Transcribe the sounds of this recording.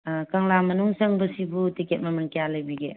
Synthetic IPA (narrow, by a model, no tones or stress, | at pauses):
kaŋlamɐnuŋsəŋbusipʰutiket̚mamɐŋkijalajbiɡḛ